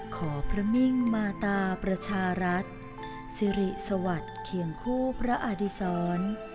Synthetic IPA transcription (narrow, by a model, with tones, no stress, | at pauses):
kʰɔː˩˦pʰɾa˦˥mi˥˩ŋmaː˧t̪aː˧pɾa˧t͡ɕʰaː˧ɾa˦˥t̪̚ | si˧ɾi˨˩sa˧wa˨˩t̪̚kʰi˨˩əŋkʰuː˥˩pʰɾa˦˥ʔa˧˩di˦˧sɔː˦˥n